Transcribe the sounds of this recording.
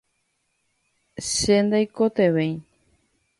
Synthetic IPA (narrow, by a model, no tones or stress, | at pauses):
ʃend̪ajkot̪eʋẽj